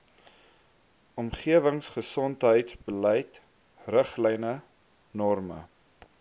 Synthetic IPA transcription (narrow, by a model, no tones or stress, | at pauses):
ɔmχiəvəŋsχəsɔntɦəjtsbəlɛjt | rəχlɛjnə | nɔrmə̰